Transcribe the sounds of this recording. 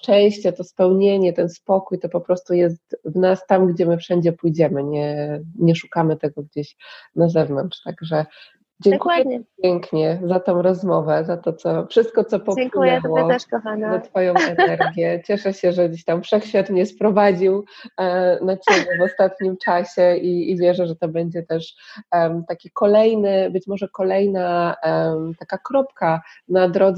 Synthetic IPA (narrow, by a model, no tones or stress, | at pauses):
t͡ʂɛ̃j̃ɕt͡ɕɛt̪ɔspɛwɲeɲɛt̪ɛnspɔkujt̪ɔpɔpɾɔst̪ujɛst̪vnast̪amɡd͡ʑɛmɘfʂɛɲd͡ʑɛpujd͡ʑɛmɘɲɛɲɛʂu̥kamɘt̪ɛɡɔɡd͡ʑeɕnazɛvnɔntʂt̪aɡʐɛ | d͡ʑɛŋkujɛpʲjɛŋkɲɛzat̪ɔ̃w̃ɾɔzmɔvɛzat̪ɔt̪sɔfʂɘst̪̚kɔt̪sɔpɔŋjɛwɔɔɦanzat̪fɔjɔ̃w̃ɛnɛɾɡʲjɛt͡ɕɛʂɛɕɛʐɛd͡ʑeɕt̪amfʂɛxɕfʲat̪ɲɲɛspɾɔvad͡ʑiw | nat͡ɕebʲjɛvɔst̪at̪ɲimt͡ʂaɕɛiːvʲjɛʐɛʐɛt̪ɔbɛɲd͡ʑɛt̪ɛʂ | t̪akʲikɔlɛjnɘbɘt͡ɕmɔʐɛkɔlɛjna | t̪akakɾɔpkanad̪ɾɔd̪z